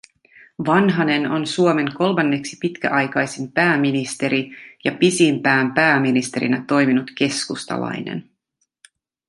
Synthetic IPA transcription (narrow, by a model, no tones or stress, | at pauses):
ʋɑnɦɑne̞no̞nsuome̞ŋko̞lmɑnːe̞ksi̥pit̪kæ̰ʔɑjkɑjsimpæːmːinist̪e̞ɾijɑpisimpæːmpæːminist̪e̞ɾḭnæt̪o̞jminut̪ke̞skust̪ɑ̰lɑ̰jne̞̰n